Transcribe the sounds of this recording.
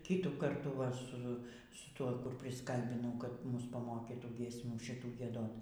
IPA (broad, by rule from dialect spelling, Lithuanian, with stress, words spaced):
ˈkʲiːtuː ˈkɐrtuː ʋɐ ˈsʊ sʊ ˈtuɔ ˈkʊr pʲrʲɪsˈkɐlʲbʲɪnɐʊ kɐt ˈmʊs pɐˈmoːkʲiːtuː ɡʲiɛsʲˈmʲuː ʃʲɪˈtuː ɡʲiɛˈdoːt